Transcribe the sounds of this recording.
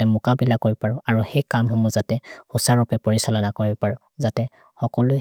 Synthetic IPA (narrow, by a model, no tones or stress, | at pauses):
tɛmʊkabilakoɹibɔpaɹɔaɹuhejkamhɔmɔzatɛhusaɹʊpɛpoɹisalɔnakoɹibɔpaɹɔ | zatɛ | xɔkɔlʊ